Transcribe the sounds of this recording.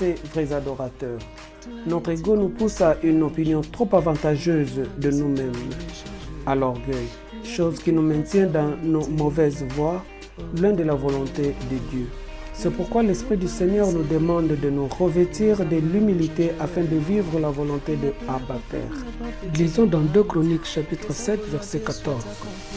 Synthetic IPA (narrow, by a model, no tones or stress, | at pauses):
tɛvʁɛzad̪ɔʁat̪œːʁ | nɔt̪χeɡonupusaʔynɔpinjɔ̃t̪χopavɑ̃t̪aʒøzd̪ənumɛ̃m | alɔʁɡœj | ʃozkʲinumɛ̃t̪jɛ̃d̪ɑ̃nomɔvɛzvwa | lwɛ̃d̪əlavɔlɔ̃t̪ed̪əd̪jø | sɛpuʁkwalɛspχid̪ysɛɲœʁnud̪əmɑ̃d̪d̪ənuʁəvɛt̪iʁd̪əlymilit̪eʔafɛ̃d̪əvivʁəlavɔlɔ̃t̪ed̪əabat̪ɛ̰ʁ | lizɔ̃d̪ɑ̃d̪økχɔnikʃapit̪χəsɛt̪vɛʁsɛkat̪ɔʁz